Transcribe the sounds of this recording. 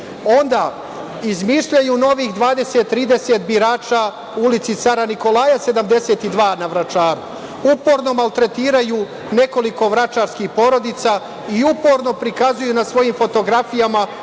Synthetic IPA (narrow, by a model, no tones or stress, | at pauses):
o̞nd̪aː | izmiːʃʎajuːno̞ʋiːxd̪ʋaːd̪e̞set̪ːɾiːd̪e̞se̞t̪biɾaːt͡ʃa | uulit̪sit̪saɾaniko̞lajase̞d̪amd̪e̞se̞t̪id̪ʋaːnaʋɾat͡ʃaːɾu | upo̞ːɾno̞malˠt̪ɾe̞t̪iːɾajuː | ne̞ko̞liko̞ʋɾat͡ʃaːɾskixpo̞ɾo̞d̪it̪sa | iupo̞ɾno̞pɾikazujunasʋo̞jimfo̞t̪o̞ɡɾafijama